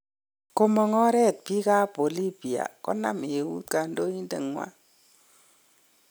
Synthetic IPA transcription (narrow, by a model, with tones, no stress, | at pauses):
ko˦mɔ˨ŋɔ˦ɾɛ˦˨t̚pi˦ka˦po˨li˦bi˨a̰˨kɔ̰˦na̰˦mje˨wṵ˦t̪ka˨ndo˦i˦ndḛ˨ŋwa̰˦